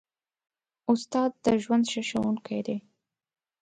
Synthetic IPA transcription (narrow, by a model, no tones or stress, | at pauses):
ʊst̪ɑd̪̚ːəʒwand̪ʃaʃawuŋkajd̪e